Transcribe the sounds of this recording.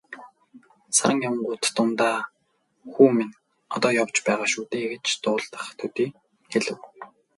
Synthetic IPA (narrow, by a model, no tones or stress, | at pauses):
sa̰ɾə̆ŋjaw̆ɴɢʊːt̪ːʊnt̪aː | xuːmin | ɔt̪ɔːjɔwt͡ɕpæːʁaːʃuːt̪eːɡet͡ɕt̪ʊːɮt̪ə̥̆χt̪ʰɵt̪iː | xeɮɘ̆w